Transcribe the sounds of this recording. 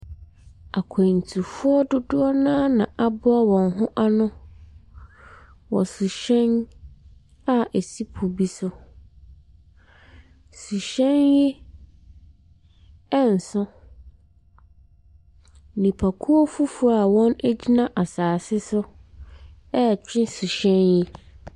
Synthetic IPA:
a˨kʰɛ˨n˨tʰu˨fʊ˦ɔ˦dʊ˦dʊ˦ɔ˦nãː˦nã˨ʔa˦bʊ˦a˦wɔ̃˨nɦʊ̃˦ʔa˦nʊ̃˦ | wɔ̰˨sʊ˨ɕɛ̃˦n | a˦ʔe˨si˦pʰu˨bi˦sʊ˦ | su˨ɕɛ̃˦njɪ˦ | ɛ˦n̩˨sʊ̃˦ | nĩ˨pʰa˨kʰu˦o˦fu˦fʊ˨a˨wɔ̃˦næ˦d͡ʑi˦nã˦ʔa˨saː˨sɪ˦sʊ˦ | ɛ˦˨t͡ɕᶣɪ̃˦su˨ɕɛ̃˦njɪ˦

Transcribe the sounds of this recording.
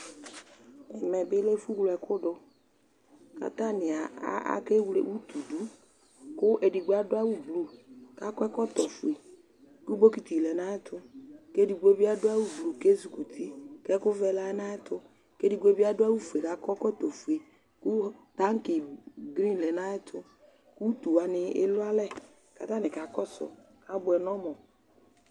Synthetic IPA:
ɪ˨mɛ˨bɪ˦le˦fu˦wlʊ˨˦ɛ˨kʊ˦ɖʊ˦ | ka̰˨t̪a˦nĩ˨a˨a̰˦a̰˨ke˦wlḛ˦wu˦t̪u˨du˦ | kʊ˦ʔe˨ɖi˨ɡ͡ba˦ɖʊ˦a˦wu˦blu˨ka˦kɔ˦ɛ˦kɔ˦t̪ɔ˨fu˨e˨ | ku˦bo˦ki˨t̪i˨lɛ˨nã˦ɛ˦t̪ʰʊ˦ke˦di˨ɡ͡be˦bi˦a˦ɖʊ˦a˦wu˦blu˨ke˦zu˨ku˨t̪ʰi˦kɛ˦kʊ˦vɛ˦la˦ɛ˦nã˦ɛ˦t̪ʊ˦ | ke˦di˨ɡ͡be˦bi˦a˦dʊ˦a˦wu˦fu˨e˨ka˦kɔ˦kɔ˦t̪o˨fu˨e˨ | ku˦t̪a˦ŋ˦ki˨ɡɾi˦n˨lɛ˨nã˦ɛ˦t̪ʰʊ˦ | ku˦t̪u˨a˨nɪ˨ɪ̰˦lʊ˦a˦lɛ˦ | ka̰˦t̪a˦nɪ̃˨ka˨kɔ˦sʊ̰˨ | ka˦bʊ˨ɛ˨nɔ̃˦mɔ̃˨

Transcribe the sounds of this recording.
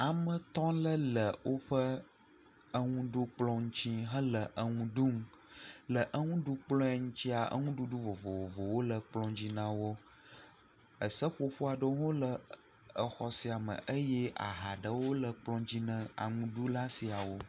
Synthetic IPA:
a˨mə̃˨t̪ɔ̃˦lə˦lə˨wʔo˦ɸə˦ | ə˦ŋũ˦ɖu˦k͡plɔ̃˦ŋũ˦t͡ɕĩ˦ɦə̃˦lə˨ʔə˦ŋũ˦ɖu˦ŋ˦ | lə˨ʔə˦ŋũ˦ɖu˦k͡plɔ̃˦a˨ŋũ˦t͡ɕi˦a˨ʔə̰˦ŋũ˦ɖu˦ɖu˦vo˨vo˨vo˨vo˨wo˦lə˨k͡plɔ̃˦d͡ʑi˦nã˦wo˦ | ə˨sə˦ɸo˦ɸo˦a˨ɖə˦ŋõ˦lə˨ | ə˨xɔ˨si˨a˨mə̰̃˨ʔə˦je˦a̰˨ɦa˨ɖə˨wo˦lə˨k͡plɔ̃˦d͡ʑi˦nə̃˦a̰˨ŋũ˦ɖu˦la˦si˨a˨wo˦

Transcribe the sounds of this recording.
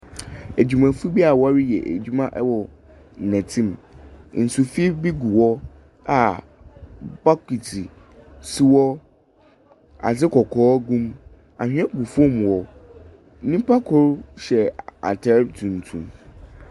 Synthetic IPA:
æ˨d͡ʑᶣu˨mã˨fu˦bi˦a˨wa˦ɾɪ˦jɛ˨ʔæ̰˨d͡ʑᶣu˦mã˦ʔɛ˦wɔ˨ | nɛ̃˨tʰĩ˦mn̩˨su˨fi˦bi˦ɡu˨wɔ˦ | a˨ | ba˦ki˨tʰi˨ | si˦wɔ˦ | a̰˨sɪ˦kʰɔ˨kʰɔː˦ɡũ˦m | a˨hᶣɛ̃˦ɡu˨fɔ̃˦m˨wɔ˨ | nĩ˦pʰa˦kʰɔ˦ɾɕɛ˨a̰˨tʰɛ˨ɾbtʰũ˨n˨tʰũ˨m

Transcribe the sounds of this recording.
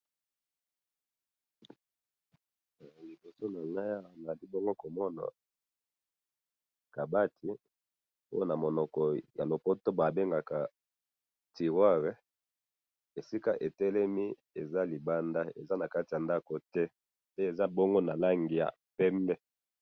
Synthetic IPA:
li˨bo˨so˦na˨ŋa˦ja˦˨na˨li˦bo˦ŋɡo˦ko˨mɔ˦na̰˨ | ka˨ba˦tʰi˨ | o̰˦o˦˨na˨mo˨nɔ˨kɔ˨ja̰˨lo˨po˦to˦ba˨be˦ŋɡa˨ka˨ | ti˨ʁwa˦ʁe˦ | e˨si˦ka˦ʔe˨tɛ˦lɛ˦mi˦ | e˨za˦li˨ba˦nda˦ḛ˨za˦na˨ka˦ti˨a˨nda˦ko˨tɛ˦ | pe˦e˨za˦bo˦ŋɡo˦na˨la˦ŋɡi˨ja̰˨ | pɛ˦mbɛ˦

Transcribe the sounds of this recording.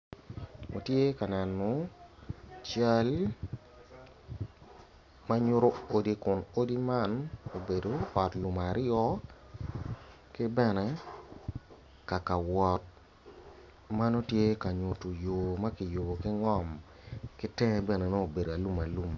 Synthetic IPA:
o̰˨tje˦ka˨nɛ˨nɔ˨ | t͡ʃa˦l | ma˦ɲʊ˦ɾo˦o˨di˦kʊ˨no˦di˦ma˦no˨be˨do˨ɔ˨tlu˨ma˨ɾjɔ˦ | kɪ˦bɛ˦nɛ˦ | ka˨ka˨wɔ˨t̚ | ma˦no˦tje˦ka˨ɲʊ˨to˨jo˨ma˦kɪ˨jo˨bo˨kɪ˦ŋɔ˦˨m | kɪ˦tɛ̃˦bɛ˦˨nɛ˨no˦o˨be˨do˨a˨lu˦ma˨lu˦˨m

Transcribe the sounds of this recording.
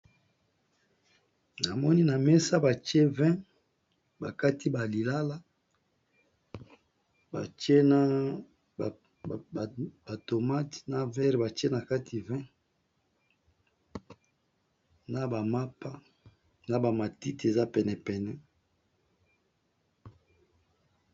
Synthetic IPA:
na˨mɔ˦ni˦na˨mɛ˦sa˦ba˨t͡ʃe˦vɛ̃˦ | ba˨ka˦ti˦ba˨li˨la˦la˦ | ba̰˨t͡ʃje˦na˦˨ | b̥a˨to˨ma˦tna˦vɛ˦ʁba˨t͡ʃe˦na˨ka˦tʰi˨vɛ̃˦ | na˨ba˨ma˦pa˦ | na˦ba˨ma˨ti˦te˨za˦pɛ˨nɛ˨pɛ˨nɛ˨

